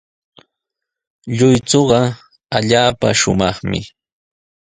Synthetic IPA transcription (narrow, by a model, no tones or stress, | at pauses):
ʎʊjt͡soɢɑ | aʎaːpaʃʊmɑχmɪ̰